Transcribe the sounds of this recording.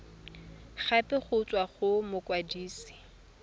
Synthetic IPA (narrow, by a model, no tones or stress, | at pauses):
χapɪχʊt͡sʼwaχʊmʊkwadiːsi̥